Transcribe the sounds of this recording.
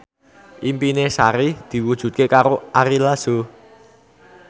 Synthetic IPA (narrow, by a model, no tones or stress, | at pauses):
ʔimpinesaɾid̪̥i̤wud̥ʒ̥ṳt̪̚kekaɾoaɾilaz̥o